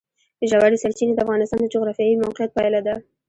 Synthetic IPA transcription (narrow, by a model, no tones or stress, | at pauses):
d̪əʒawaɾisalt͡ʃined̪əafɣɑnɪst̪ɑnd̪əd͡ʒʊɣɾɑfjɑjimawqɪjat̪̚pɑjlad̪a